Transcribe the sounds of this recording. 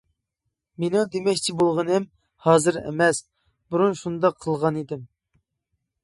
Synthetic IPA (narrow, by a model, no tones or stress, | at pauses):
menud̪emɛkʲt͡ʃʰibolˠʁənɨm | hɑːzɨɾɛ̰mɛs | buɾunʃund̪ɑqʰːəlˠʁɑnid̪ɪm